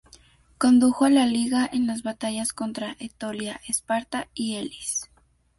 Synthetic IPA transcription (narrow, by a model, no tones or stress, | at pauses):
ko̞nd̪uxoalaliɣaʔenlazβat̪aʝasko̞nt̪ɾaʔet̪oljaʔespaɾt̪aielis